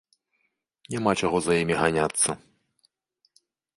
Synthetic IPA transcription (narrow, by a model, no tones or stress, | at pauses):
nʲamat͡ʂaɣɔzɐjimʲiɣanʲat̪sːɐ